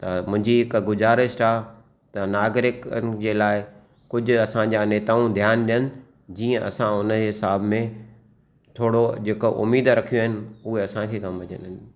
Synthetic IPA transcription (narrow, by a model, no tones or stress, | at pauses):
t̪ɐmʊ̃ɦɪ̃ɲd͡ʑiɦɪkɡʊzaːɾɪsʈaː | t̪ɐnaːɡɾɪknɪ̆d͡ʑeːlaːɪ | kʊd͡ʑʱʊɐsãd͡ʑaːneːt̪aːũd̪ʱjaːnɗijənɪ̆ | d͡ʑiːə̃ʔɐ̰sãʊnəeɦɪsaːbmẽ | t̪ʰoːɽod͡ʑekoʔʊ̰miːd̪ɾɐkʰijõaɦɪnɪ̆uɦeɐsãkʰeːkɐmʋɐɲə̰nɪɦɪn